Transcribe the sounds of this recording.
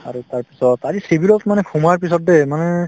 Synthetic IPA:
aɹutaɹpi̥sɔtazisibilɔtmanɛkʰumaɹpis̬ɔtdɛmanɛ

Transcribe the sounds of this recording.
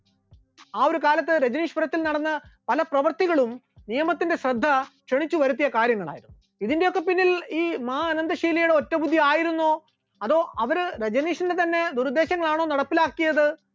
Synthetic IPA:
aːo̞ɾukaːlɐt̪̬ːɨɾed͡ʑɐniːʂpɐɾɐt̪ːilnɐɽɐnːɐpɐlɐprɐʋɐrt̪iɣɐɭum | nijɐmɐt̪ːinde̞ɕrɐd̪ʱːɐkʂeɳit͡ɕːuʋɐɾut̪ːijɐkaːɾjɐŋːɐɭa̰ːjiɾunːuuiðindejo̞kːe̞pinːiliːmɐːɐnɐnd̪ɐʂiːlɐjuɽe̞o̞tːɐbud̪ʱːiaːjiɾunːoː | ɐðo̞ːʔɐʋɐɾɨɾed͡ʑɐniːʂɐndet̪ɐnːe̞d̪uɾd̪e̞ːɕɐŋːɐɭaːɳo̞ːnɐɽɐpːilaːkːijɐðɨ

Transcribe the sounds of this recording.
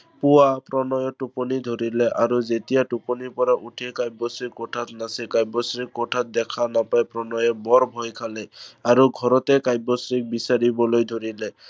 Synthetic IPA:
puapɾɔnɔjɔʈupɔnid̪ʱoɾilɛʔaɾuzet̪ijaʈupɔnipɔɾaʔuʈʰikajbɔsɾikːɔʈʰat̪nasikajbɔsɾikːɔʈʰat̪̚d̪ɛkʰanapajpɾɔnɔjɔbɔɾbʱɔjkʰalɛaɾuɡʱɔɾɔt̪ekajbɔsɹik̚bisaɾibɔlojd̪ʱoɾile

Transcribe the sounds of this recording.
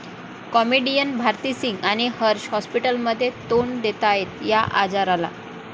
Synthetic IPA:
kɔmiɖijənbʱaɾt̪isiŋɡañihəɾɕɦɔspiʈəlməd̪ʱːjet̪oɳd̪et̪ajet̪jaʔa̰d͡zaɾala̰

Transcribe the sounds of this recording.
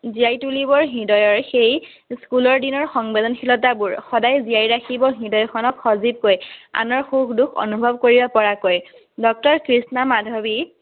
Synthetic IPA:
ziajtulibɔɹɦidɔjɔɹxej | skulɔɹdinɔɹxɔŋbɛdɔnxʰilɔtabuɹxɔdajzijajɹakʰibɔɦidɔjɔkʰɔnɔkxɔzib̚koja̰nɔɹxukʰdukʰɔ̰nubʱɔb̚koɹibapɔɹakoj | dɔk̚tɔɹkɹisnamadʱɔbi

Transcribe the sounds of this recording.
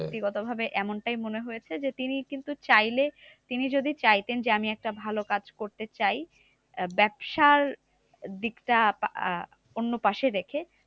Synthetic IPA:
t̪iɡɔt̪obʱabeʔɛmonʈajmoneɦojet͡ɕʰed͡ʑet̪inikint̪ut͡ɕajle | t̪inid͡ʑod̪ʱit͡ɕajt̪end͡ʑeamiɛk̚ʈabʱalokad͡ʑkoɾt̪et͡ɕaj | bɛbʃaɾ | d̪ikʈap | onːopaʃeɾekʰe

